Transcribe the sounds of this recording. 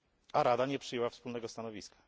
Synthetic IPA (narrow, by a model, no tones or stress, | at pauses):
aɾad̪aɲɛpʂɘjɛwafspulnɛɡɔst̪anɔvʲiskḁ